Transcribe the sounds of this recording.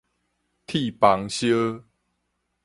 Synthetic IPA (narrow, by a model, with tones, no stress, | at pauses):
t̪ʰi˥˨pa˨˦ŋɕjə˦